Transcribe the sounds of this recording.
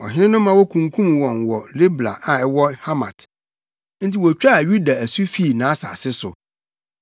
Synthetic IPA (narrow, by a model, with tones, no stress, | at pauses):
ɔ̰˨ɦɪ̃˦ɾɪ̃˦nʊ̃˦mã˨wɔ˦kʰũ˨ŋ̩kʰũ˦mwɔ̃˨nwɔ˨le˦bla̰˨ʔa˨ɛ˦wɔ˦ha˦mã̰˨t | n̩˦ti˨wɔ˨t͡ɕᶣa˦˨ɥu˦da˨æ˨su˦fi˦˨nãː˨˦sa̰˨sɪ˦sʊ̰˨